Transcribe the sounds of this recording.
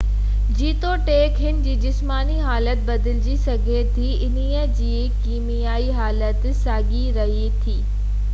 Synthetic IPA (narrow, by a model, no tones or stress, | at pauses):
d͡ʑiːt̪oʈeːkɦɪnɪ̆d͡ʑiːd͡ʑɪsmaːniɦaːlət̪bɐd̪ɪld͡ʑisɐɡʱet̪ʰiɪniːəd͡ʑiː | kiːmijaːiɦaːlət̪saːɡiɾɐɦit̪ʰiː